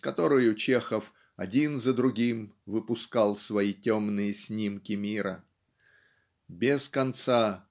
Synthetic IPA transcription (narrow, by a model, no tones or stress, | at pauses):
skɐt̪o̞ɾəjʊt͡ɕexəf | ɐdʲinzəd̪ɾʊɡʲimvɨpʊskalˠsvɐitʲomnɨjəsʲnʲimkʲɪmʲiɾə | bʲɪskɐnt̪sa